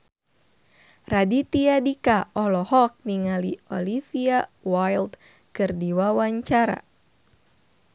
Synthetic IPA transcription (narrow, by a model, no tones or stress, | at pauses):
radit̪iadikaʔɔlɔhɔk̚niŋaliɔ̰lifiawajld̪ | kɨrdiwawaɲt͡ʃaɾa̰